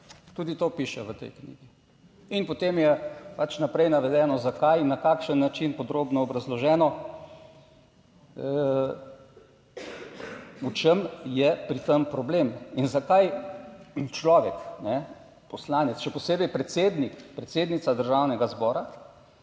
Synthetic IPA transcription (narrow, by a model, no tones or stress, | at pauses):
t̪uːd̪it̪oːpiʃɛʋət̪ɛ̰jknḭːɡi | inpɔt̪emjɛpat͡ʃnapɾɛjnaʋɛd̪ɛːnɔzakajnːakaːkʃənːat͡ʃinpɔd̪ɾoːbnɔːbɾazlɔʒɛːnɔ | ə | ut͡ʃemjɛpɾit̪əmpɾɔbleminzakaj | t͡ʃlɔːʋɛknɛ | pɔslaːnɛt̪sʃɛpɔseːbɛjpɾɛt̪seːd̪nikpɾɛt̪seːd̪nit̪sad̪əɾʒawnɛɡazbɔːɾa